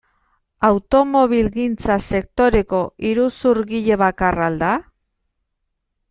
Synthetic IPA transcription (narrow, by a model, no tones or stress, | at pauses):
awt̪o̞mo̞β̞ilɣint͡sase̞k̚t̪o̞ɾe̞ko̞iɾusuɾɣiʎe̞β̞akarald̪a